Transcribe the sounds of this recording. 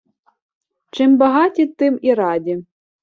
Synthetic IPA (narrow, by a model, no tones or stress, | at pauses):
t͡ʃɪmbɐɦɑtʲit̪ɪmiɾɑdʲi